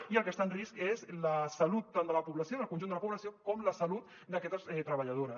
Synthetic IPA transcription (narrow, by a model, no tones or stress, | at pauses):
iəlˠkəst̪anriskezləsalut̪ːand̪ələpuβlɐsionəlˠkunʒund̪ələpuβlɐsiokɔmləsalut̪̚ | d̪əkɛt̪əsɛt̪ɾəβaʎað̞oɾə